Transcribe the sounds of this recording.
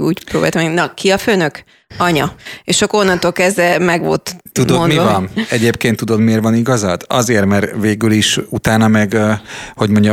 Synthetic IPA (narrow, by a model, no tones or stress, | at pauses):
uːcpɾoːbaːjt̪ɔmɛnɒkiɒføːnøk | ɒɲɒeʃokːonːɒnt̪oːlkɛzd̪ɛmɛɡʋo̰lt̪t̪ud̪onmivɒnɛɟeːpkeːnt̪ːud̪o̞d̪meːrvɒniɡɒzɒd̪ɒ̰zeːrmɛrveːɡyliʃut̪aːnɒmɛɡho̞ɟmo̞ɲɟɒ